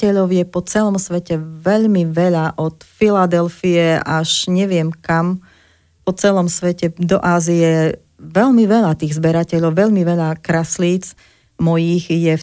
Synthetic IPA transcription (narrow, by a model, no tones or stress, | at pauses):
ɛʎɔʊjɛpɔt͡sɛlɔmsʋɛcɛʋɛʎmiʋɛʎaʔɔt̪filad̪ɛlfiɛaʃɲɛʋɪɛmkam | pɔt͡sɛlɔmsʋɛcɛd̪ɔʔaːzijɛ | ʋɛʎmiʋɛʎat̪iːɣzbɛɾacɛʎɔʊʋɛʎmiʋɛʎakɾasliːt͡s | mɔjiːxjɛ